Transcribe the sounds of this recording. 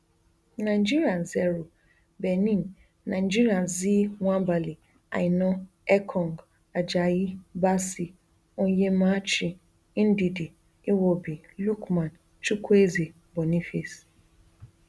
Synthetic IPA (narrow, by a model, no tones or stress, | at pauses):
nãd͡ʒiɾianzɛɾo | bɛnĩnː | ãd͡ʒiɾianziwʷãbali | a̰ɪnɔ̃ | ɛkʰɔ̃ŋɡ | ad͡ʒajibasi | ɔ̃jemãt͡ʃi | n̩didi | ɪwobilukmãn | t͡ʃukʰueze | bɔnĩfis